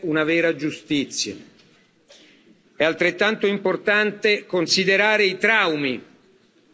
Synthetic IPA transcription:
unavɛːɾad͡ʒust̪it̪sːja̰ | ɛalt̪ɾet̪ːant̪oimport̪ant̪ekonsid̪eɾaːɾeit̪ɾawmi

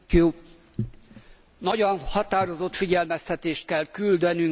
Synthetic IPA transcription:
u | nɒɟɒnhɒt̪aːɾo̞zot̪fiɟɛlmɛst̪ɛt̪eːʃt̪̚kɛlkyld̪ɛnyŋ

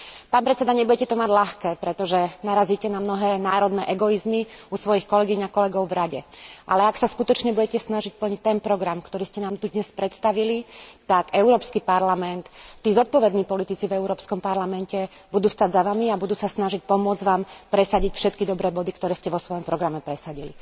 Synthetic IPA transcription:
paːnpɾɛt̪sɛd̪aɲɛbʊɟɛcɛt̪ɔmaɟlaxkɛːpɾɛt̪ɔʒɛnaɾaziːcɛnamnɔɦɛːnaːɾɔd̪nɛːʔɛɡɔizmiusʋɔjixkɔlɛɡiɲakɔlɛɡɔʊvɾaɟɛʔa̰lɛaksaskut̪ɔt͡ʃɲɛbuɟɛcɛsnaʒic̚pl̩ɲict̪ɛnpɾɔɡɾamkt̪ɔɾiːscɛnaːmt̪ud̪ɲɛspɾɛt̪st̪aʋilit̪akɛʊɾɔːpskipaɾlamɛnt̪t̪ːiːzɔt̪̚pɔʋɛd̪niːpɔlit̪it͡sivɛʊɾɔːpskɔmpaɾlamɛncɛ | bud̪uːst̪aɟzaʋamiabud̪uːsasnaʒic̚pɔmʊɔd͡zʋaːmpɾɛsaɟicfʃɛt̪kid̪ɔbɾɛːbɔd̪ikt̪ɔɾɛːscɛʋɔsʋɔjɔmpɾɔɡɾamɛpɾɛsaɟili

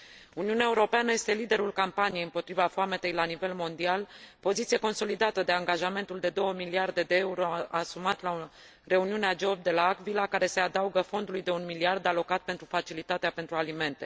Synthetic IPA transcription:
uniuneaeuɾo̞peanəje̞st̪e̞lid̪e̞ɾulkampanijeɨmpo̞t̪ɾivafoamet̪e̞jlanive̞lmo̞nd̪ialpo̞zit̪sije̞ko̞nso̞lid̪at̪əd̪e̞aŋɡaʒame̞nt̪uld̪e̞d̪o̞wəmiliard̪e̞d̪e̞euɾo̞asumat̪la | re̞uniunead͡ʒeop̚d̪e̞laːkvilakaɾe̞se̞ad̪auɡəfo̞nd̪ulujd̪e̞unmiliard̪alo̞kat̪̚pe̞nt̪ɾufat͡ʃilit̪at̪eape̞nt̪ɾualime̞nt̪e̞

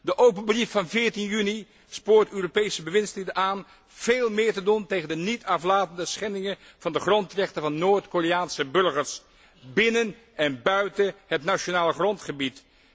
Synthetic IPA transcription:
dəʔowpənbrifːɑnvɪːɹtinjyni | spʊːɹtøːropejsəbəʋɪnslidənʔaːn | v̥eːlˠmɪːɹtəduntejχəndənitʰɑflaːtəndəsχɛndɪŋən | v̥ɑndəχrɔntrɛχtəvɑnːoːɹtkoriaːnsəbɵɹχəɹs | bɪnən | ɛnbœɥtənɦətnat͡ʃonaːləχrɔntχəbit

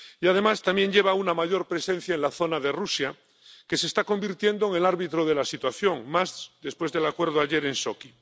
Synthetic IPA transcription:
iað̞e̞mast̪amje̞nʎe̞βaunamaʝo̞ɾpɾe̞sẽ̞n̟θjaenlaθo̞naðe̞rusja | ke̞sest̪ako̞mbiɾt̪je̞nd̪oeŋe̞laɾβit̪ɾo̞ð̞e̞lasit̪waθjo̞ŋmazd̪e̞spwe̞zðe̞lakwe̞ɾðoaʝe̞ɾe̞nsoki

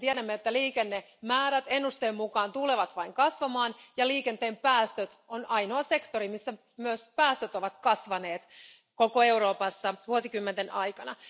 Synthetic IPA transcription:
t̪iæɾæmːeet̪ːæliːkenːe | mæːɾæt̪e̞nːust̪eːmmukɑːnt̪uleʋɑt̪ʋɑiŋkɑsʋɑmɑːnjɑliːke̞nt̪eːmpæːst̪øt̪onɑjno̞ɑse̞kt̪oɾimisːæ | myøspæːst̪øt̪o̞ʋɑt̪kɑsʋɑne̞ːt̪ | ko̞koe̞wɾoːpɑsːɑʋuosikymːent̪enɑjkɑnɑ

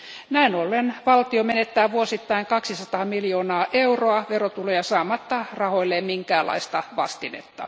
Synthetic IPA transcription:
næinolːenʋɑlt̪iomenet̪ːæːʋuosit̪ːɑiŋkɑksisɑt̪ɑːmiljoːnɑːʔeuroɑʋerot̪ulejɑsɑːmɑt̪ːɑrɑhoilːemiŋkæːlːˑɑ̰ist̪ɑʋɑ̰st̪inḛt̪ːɑ̰

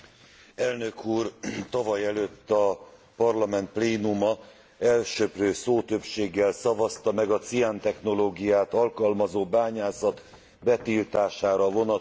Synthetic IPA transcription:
ɛlnø̞kʰuːrt̪ɒvɒjɛløt̪ːɒ | pɒrlɒmɛnt̪̚pleːnumɒ | ɛlʃøprøːsoːt̪ø̞pʃeːɡːɛlsɒvɒst̪ɒmɛɡɒt̪sijant̪ɛxno̞loːɡijaːt̪ɒlkɒlmɒzoːbaːɲaːsɒt̪ | bɛt̪ilt̪aːʃaːɾɒvo̞nɒ

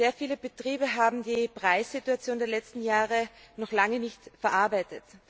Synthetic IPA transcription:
zeːɐfiːləbətʁ̥iːbəɦaːbm̩diːpʁ̥aɪsz̥ituat͡sjoːndeːɐlɛt͡stn̩jaːʁənɔχlaŋənɪçtfɛɐʔaɐbaɪtət

